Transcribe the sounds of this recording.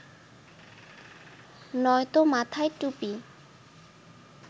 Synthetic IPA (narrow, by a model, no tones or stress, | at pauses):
nɔjt̪omat̪ʰajʈupi